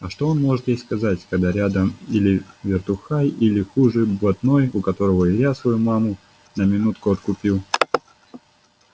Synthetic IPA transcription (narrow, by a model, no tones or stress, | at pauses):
ɐʂt̪o̞o̞nmo̞ʐɨt̪jejʲskɐzatʲkɐɡd̪aɾʲad̪əmilʲɪvʲɪrt̪ʊxajilʲɪxuʐɨjblˠɐt̪no̞jʊkɐt̪o̞ɾəvəjasvɐjumamʊ | nəmʲɪnut̪̚kʊɐt̪kʊpʲilˠ